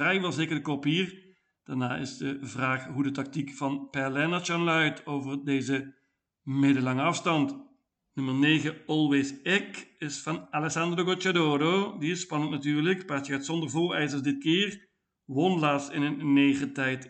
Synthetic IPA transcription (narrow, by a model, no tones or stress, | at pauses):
rɛjʋɛlˠzeːkərdəkopiːr | d̥aːɹnaːɪ̰zdəvraːχɦudətɑk̚tikfɑnpɛlɛnat͡ʃanlœɥtʰoːvərdeːzə | mɪdəlɑŋəɑfstɑnt | nɵmərneːɣəɔlˠʋɪsɛkɪsfɑnalɛsɑndroɡot͡ʃadoːɾodiɪspɑnəntnatyːrləkpatəɣaːtsɔndərvoːrɛjzərzdɪt̚kɪːr | ʋɔnlaːsɪnəneːχətɛjt